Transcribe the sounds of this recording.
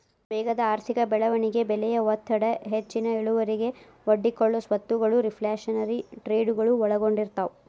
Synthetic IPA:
bɛːɡɐd̪ɐaːɾt̪ʰikɐbɛɭɐʋɐɳiɡe̞bɛlɛjɐʋɔt̪ʰːɐɽɐɦet͡ʃːinɐiɭuʋɐɾiɡe̞ | ʋɐɖːikoɭːɐsʋɐt̪ːuɡɐɭuɾipʰlaːʂɐnɐɾiʈɾeːɖuɡɐɭuɔɭɐɡoɳɖiɾt̪au

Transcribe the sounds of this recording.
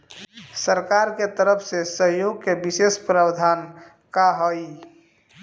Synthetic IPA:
səɾkaɾket̪əɾəpʰsesəɦjoɡ̚kebisespɾəbd̪ʱan | kaɦəj

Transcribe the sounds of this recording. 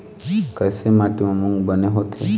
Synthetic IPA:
kəjsemaʈimamuŋbəneɦot̪ʰe

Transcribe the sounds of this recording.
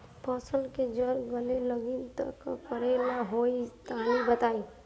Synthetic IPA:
pəsəlked͡ʒəɾɡəleləɡint̪ə̰kkəɾelaɦoist̪ʰanibət̪ai

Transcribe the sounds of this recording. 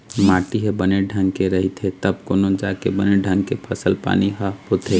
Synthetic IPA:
mãːʈiɦebəneɖʱə̃ŋɡkeɾəɦit̪ʰet̪əbkoːnõd͡ʒakebəneɖʱə̃ŋɡ̚kepʰəsəlpa̰ːniɦəɦot̪ʰe

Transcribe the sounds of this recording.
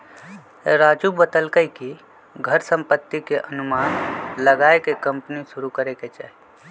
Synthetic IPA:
ɾad͡ʒubət̪əlkəjki | ɡʱəɾsə̃mpət̪ːikeʔənumanləɡaekekəmpnisuɾukəɾeket͡ʃaɦi

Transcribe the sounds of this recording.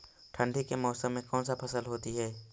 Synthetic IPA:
ʈʰə̃ɳɖʱikemɔːsəmːẽkɔ̃ːnsapʰɐsəlɦoːt̪iɦɛː

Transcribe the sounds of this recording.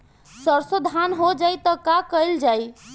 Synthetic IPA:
səɾsod̪ʱanɦod͡ʒajt̪əkakəjld͡ʒaj

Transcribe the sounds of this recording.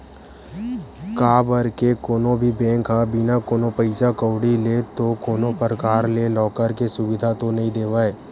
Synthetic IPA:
kaːbəɾkekoːnõbʱibɛ̃ːŋkɦabɪnakoːnopəɪsakəwɽilet̪okoːnõpəɾəkaːɾlelɔːkəɾkesʊʋɪd̪ʱat̪onɐɦĩd̪eːʋaːe

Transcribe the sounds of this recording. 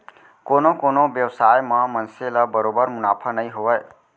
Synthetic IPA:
konokonobjəwsajmamənselʌbəɾobəɾmunapʰʌnəjɦoəj

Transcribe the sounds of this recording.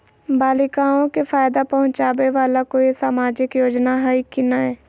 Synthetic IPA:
baːlɪkaːõkefʰaːjd̪apɐɦʊ̃t͡ʃaːʋeʋaːlakoisaːmaːd͡ʒɪkjoːd͡ʒnaɦaikinaɦɛː

